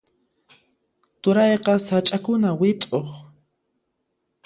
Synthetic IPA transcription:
t̪ʊɾɑjqɑsat͡ʃʼakʊnawɪt͡s̪ʼoχ

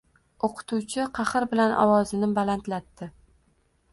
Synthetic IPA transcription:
oqʰɨ̥t̪ʰuwt͡ʃʰɪqʰɑχɨɾbɪlanʔɒ̰wɒzɪnɪbalant̪lat̪ːɪ

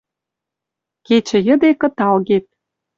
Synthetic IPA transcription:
ket͡ɕə̆jə̆d̪ekɤ̆t̪ɑlɣet̪̚

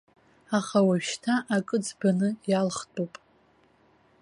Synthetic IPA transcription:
aχawaɥʃtʰaʔakʼɨd͡zbanɨjalχtʼupʼ

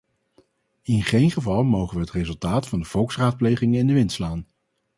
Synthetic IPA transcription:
ɪnχejnχəvɑlˠmowχənʋəɦətrezɵlˠtaːtfɑndəv̥ɔlˠksraːt̚plejχɪŋənɪndəʋɪntslaːn

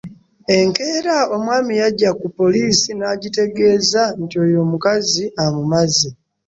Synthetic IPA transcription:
e̞ŋke̞ːɾao̞mwaːmijaɟakupo̞liːsinaɟite̞ɡe̞ːzantio̞jo̞ːmukaziamumazi

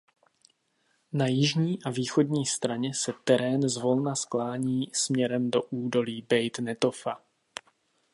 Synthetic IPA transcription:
najɪʒɲiːʔaviːxo̞dɲiːst̪ɾaɲɛsɛt̪ɛɾɛːnzvo̞lnasklaːɲiːsmɲɛɾɛmdo̞ʔuːdo̞liːbɛjt̪nɛt̪o̞fa

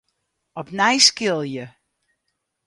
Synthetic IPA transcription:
ɔbnajskɪlˠjə

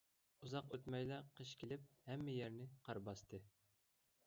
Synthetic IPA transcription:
uzɑqøt̪mɛjlæqʰəʃkʲʰilɪp̚hɛmːɪjɛɾnɪqʰɑɾbɑst̪ʰɨ

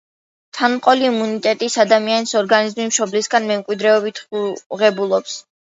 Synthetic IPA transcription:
t̪ʰanmqʼɔliːmunit̪ʼɛt̪ʼisad̪amianisɔɾɡanizmimʃɔblisɡanmɛmkʼwid̪ɾɛɔbit̪ʰuʁɛbulˠɔps

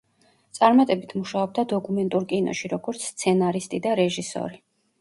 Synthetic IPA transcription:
t̪sʼaɾmat̪ʼɛbit̪ʰmuʃaɔb̚d̪ad̪ɔkʼumɛnt̪ʼuɾkʼinɔ̰ʃiɾɔɡɔɾt̪sʰst̪sʰɛnaɾist̪ʼid̪aɾɛʒisɔ̰ɾi

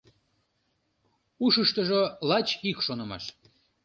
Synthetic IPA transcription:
uʃəʃt̪əʒolɑt͡ɕikʃonə̆mɑ̰ʃ

